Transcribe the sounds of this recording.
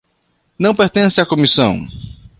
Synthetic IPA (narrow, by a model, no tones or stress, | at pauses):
nɐ̃w̃peɾt̪ẽsɪakomisɐ̃w̃